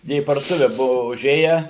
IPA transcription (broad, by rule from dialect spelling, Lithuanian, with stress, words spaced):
ˈjiɛ iː pɐrduɔˈtʊʋʲɛ ˈbʊʋʊ ʊˈʒʲeːjɛ